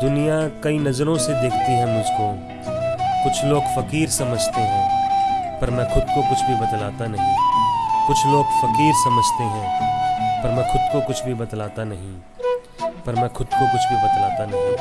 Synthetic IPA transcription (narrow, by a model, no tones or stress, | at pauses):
d̪ʊnijakɐinɐzɾõsed̪eːkʰt̪iɦɛ̃mʊd͡ʒʱko | kʊt͡ʃʰloːɡfɐkiːɾsɐməd͡ʒʱt̪eɦɛ̃ːpɐɾmɛ̃ːxʊd̪̚kokʊt͡ʃʰbʱibɐt̪laːt̪anɐɦĩkʊt͡ʃʰloːɡfɐkiːɾsɐməd͡ʒʱt̪eɦɛ̃ːpɐɾmɛ̃xʊd̪̚kokʊt͡ʃʰbʱibɐd̪laːt̪anɐɦĩ | pɐɾmɛ̃ːxʊd̪̚kokʊt͡ʃʰbʱibɐt̪laːt̪anɐɦĩː